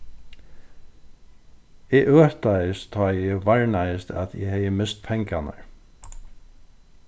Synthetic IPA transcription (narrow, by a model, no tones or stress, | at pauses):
ɛɣʔœːht̪ajɪst̪ʰːɔjɛvaɹnajɪst̪ʰa̰ðjɛ̰hɛjɪmɪst̪̚pʰɛŋkana̰ɹ